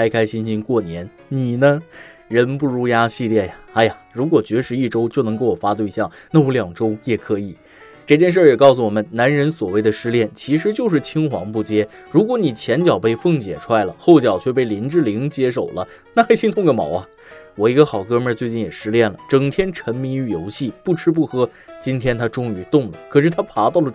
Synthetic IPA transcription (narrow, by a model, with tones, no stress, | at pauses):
ka˥ɪkʰa˥ɪɕi˥nɕi˥nkwɔ˥˩njɛ˧˥n | ni˨˩nə˦ | ɻə˧˥npu˥˩ɻu˥ja˥ɕi˥˧ljɛ˥˩ja˩a˧˥ɪja˨˩ɻu˧˥kwɔ˨˩t͡ɕɥɛ˧˥ʂɻ̩˧˥i˥˩ʈ͡ʂo˥ʊt͡ɕjo˥˩ʊnɤ˧˥ŋko˥˩wɔ˨˩fa˥t̪we˥˧ɪɕjɑ˥˩ŋna˥˩wɔ˥ljɑ˨˩ŋʈ͡ʂo˥ʊjɛ˨˩kʰɤ˧˥i˨˩˦ | ʈ͡ʂɤ˥˧t͡ɕjɛ˥˧nʂ̬ə˥˩jɛ˨˩kɑ˥˩ʊs̬u˨˩wɔ˨˩mə˦nna˧˥nɻə˧˥nswɔ˨˩we˥˩ɪd̪ə˨ʂɻ̩˥ljɛ˥˩nt͡ɕʰi˧˥ʂɻ̩˧˥t͡ɕjo˥˧ʊʂ̬ɻ̩˥˩t͡ɕʰi˥ŋxwɑ̰˧˥ŋpu˥˩t͡ɕjɛ˥ɻu˧˥k̬wɔ˧˥ni˨˩t͡ɕʰjɛ˧˥nt͡ɕjɑ˨˩ʊpe˥˧ɪfɤ˥˩ŋt͡ɕjɛ̰˨˩ʈ͡ʂʰwa˥˩ɪlə̰˩xo˥˩ʊt͡ɕjɑ˨˩ʊt͡ɕʰɥɛ˥˧p̬e˥˩ɪli˧˥nʈ͡ʂɻ̩˥˩li˧˥ŋt͡ɕjɛ˥ʂo˨˩ʊlə˦ | na˥˩xa˥ɪɕi˥ŋt̪ʰʊ˥˧ŋɡə˧˩mɑ̰˧˥ʊɐ˧ | wɔ˨˩i˧˥ɡə˧xɑ˨˩ʊkɤ˥˧mə˥˧t͡swe˥˧ɪt͡ɕi˥˩njɛ˨˩ʂɻ̩˥ljɛ˥˩nlə˩ʈ͡ʂɤ˨˩ŋt̪ʰjɛ˥nʈ͡ʂʰə˧˥nmi˧˥ŋy˧˩jo˧˥ʊɕi˥˩pu˥˩ʈ͡ʂʰɻ̩˥p̬u˥˩xɤ˥ | t͡ɕi˥nt̪ʰjɛ˥nt̪ʰa˥ʈ͡ʂʊ˥ŋy˧˥t̪ʊ˥˩ŋlə˩kʰɤ˨˩ʂɻ̩˥˩t̪ʰa˥pʰa˧˥t̪ɑ˥˩ʊlə˩